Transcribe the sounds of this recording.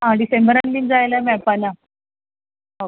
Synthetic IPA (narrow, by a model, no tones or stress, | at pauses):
ɦaɽisẽmbəɾanlind͡zajlamɛpala | ɦa